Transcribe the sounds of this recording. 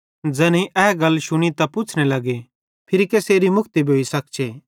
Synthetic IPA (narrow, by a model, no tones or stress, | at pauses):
d͡zɛːnĩʔɛːɡɐlʃʊɽ̃it̪ɐpʊt͡ʃʰnelɐɡe | pʰɪɾikeːseːɾimʊkʰt̪ibʱoːisɐk̚t͡ʃʰeː